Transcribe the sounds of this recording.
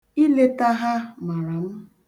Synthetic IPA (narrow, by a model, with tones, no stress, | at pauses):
i˦le˦ta˦ɦa˦ma˨ɾa˨m̩˦